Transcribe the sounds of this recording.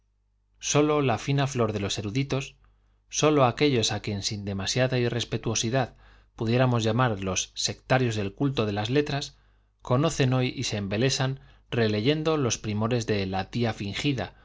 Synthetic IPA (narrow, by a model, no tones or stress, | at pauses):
so̞lo̞lafinaflo̞ɾðe̞lo̞se̞ɾuðit̪o̞sː | o̞lo̞ake̞ʎo̞sakje̞nsind̪e̞masjaðaire̞spe̞t̪uo̞siðað | puðje̞ɾamo̞zʝamaɾlo̞sːe̞kt̪aɾjo̞zðe̞lkult̪o̞ðe̞lazle̞t̪ɾas | ko̞no̞θe̞no̞jise̞ːmbe̞le̞san | re̞le̞ʝe̞nd̪o̞lo̞spɾimo̞ɾe̞zðe̞lat̪iafiŋxiða̰